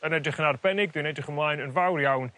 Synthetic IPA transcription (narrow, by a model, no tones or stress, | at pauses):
ənɛdrɪχənarbɛnɪɡðɪnɛdrɪχənmlˠajnənvawrjawn